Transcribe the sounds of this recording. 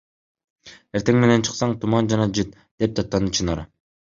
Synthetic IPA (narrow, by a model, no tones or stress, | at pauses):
e̞ɾt̪e̞ŋme̞ne̞nt͡ʃʰɯ̥qsɑɴt̪ʰumɑnd͡ʒɑnɑd͡ʒɯt̪ | d̪̥e̞p̚t̪ʰɑp̚t̪ːɑnɯt͡ʃʰɯnɑɾ